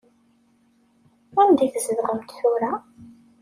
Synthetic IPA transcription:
ænd̪iθzəðʁəmt̪θuɾa

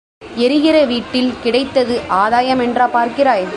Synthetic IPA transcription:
ɛɾɯɣɪɾɐʋiːʈːɪlkɪɽɐɪt̪ːɐðɯʔaːðaːjɐmɛndraːpaːɾkɪɾaːj

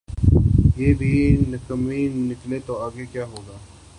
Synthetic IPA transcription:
jeːbʱinɐkəminɪklet̪oaːɡekjaːɦoːɡaː

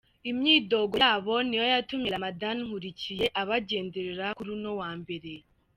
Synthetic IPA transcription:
imɲiːdo̞ɡo̞jaβo̞nijojatumeɾamadanŋ̥huɾicije̞ʔaβaɟe̞ːnde̞ɾeɾakuɾuno̞waːmbe̞ɾe̞

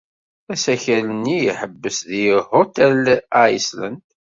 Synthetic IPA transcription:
æsæçælənːijiħəbːəsðihot̪ælaislæ̰nd̪

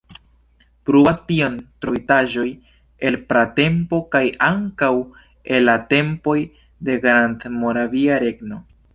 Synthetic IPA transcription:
pɾubastio̞ntɾo̞jtaʒo̞j | elpɾate̞mpo̞kajaŋkaw | e̞lːate̞mpo̞j | de̞ɡɾantmo̞ɾaviaɾe̞ɡno̞

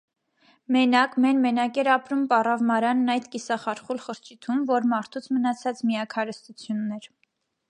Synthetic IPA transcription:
mɛnɑkmɛnmɛnɑkɛɾɑpɾumpɑrɑvmɑɾɑnːɑjd̪kisɑχɑɾχulχəɾt͡ʃʰit̪ʰumvɔɾmɑɾt̪ʰut͡sʰmənɑt͡sʰɑt͡smiɑkʰɑɾəst̪ut͡sʰjunːɛɾ

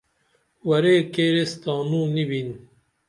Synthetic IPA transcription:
wɐɾeːkeːɾest̪ɑːnuːnibin

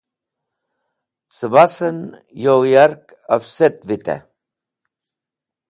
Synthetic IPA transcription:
səbasən | jojaɾk | afset̪vit̪ɛ̰

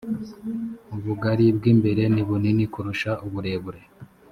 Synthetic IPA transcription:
uβuɡaɾibɡiːmbe̞ɾe̞niβuninikuɾuʃaʔuβuɾe̞βuɾe

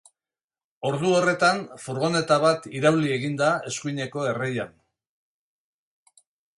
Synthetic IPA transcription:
o̞ɾðuo̞re̞t̪anfuɾɣo̞ne̞t̪aβat̪iɾawlie̞ɣind̪ae̞skuiɲe̞ko̞e̞reja̰n

